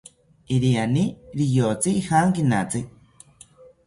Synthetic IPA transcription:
iɾianiɾijot͡siihaːŋkinat͡sɨ

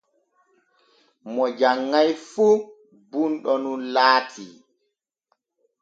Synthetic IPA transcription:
mɔd͡ʒaŋːajfu | bunɗɔnunlaːtʰi

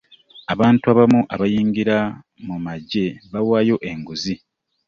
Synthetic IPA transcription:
aβaːntuaβamuʔaβajiːŋɡiɾa | mumaɟe̞βawaːjo̞ʔe̞ŋɡuzi

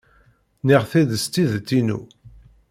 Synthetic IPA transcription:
niʁθiðəst̪iðt̪ːinṵ

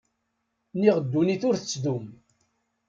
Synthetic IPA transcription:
niʁəd̪ːuniθʊɾθət͡sːd̪um

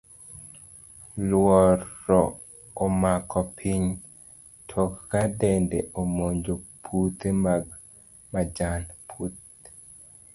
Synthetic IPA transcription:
lwɔɾːɔ | omakʰɔpʰiɲ | tʰɔkkadɛndeʔomoɲd͡ʒopʰut̪emaɡ̚ | mad͡ʒanpʰut̪̚

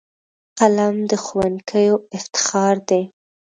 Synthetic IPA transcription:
qalamd̪əxuwankʰəjoɪft̪ɪ̥xɑɾd̪e

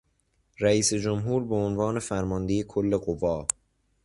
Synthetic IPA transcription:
ræiːsed͡ʒomɦuːɾbeonvɒːne̞fæɾmɒnd̪e̞jekʰolːe̞ɢovɒː

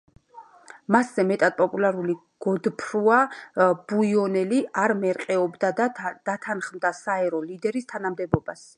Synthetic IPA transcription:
maszɛmɛt̪ʼad̪̥̚pʼɔpʼulaɾuli | ɡ̥ɔd̪pʰɾuab̥uiɔnɛliaɾmɛɾqʼɛɔbd̪ad̪d̪̥at̪ʰanχmd̪asaɛɾɔlid̪ɛɾist̪ʰanamd̪ɛbɔbas

